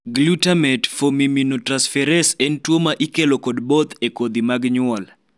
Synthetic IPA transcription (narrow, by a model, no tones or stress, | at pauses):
ɡlutamɛtfomiminotɾansfɛɾɛsɛntwomaʔikelokɔdbot̪ekod̪imaɡɲʊal